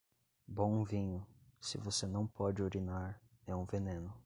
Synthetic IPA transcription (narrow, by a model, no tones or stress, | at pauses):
bõũvĩɲʊsɪvosenɐ̃w̃pʰɔd͡ʒɪoɾinaɾ | ɛũvenẽnʊ